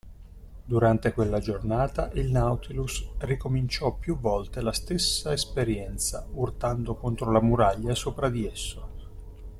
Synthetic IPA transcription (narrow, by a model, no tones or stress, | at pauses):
d̪uɾant̪ekwelːad͡ʒornaːt̪aʔilnawt̪ilusrikomint͡ʃɔpjuvːɔlt̪elast̪esːaespeɾjɛnt̪saurt̪and̪okont̪ɾolamuɾaʎːasoːpɾad̪iesːo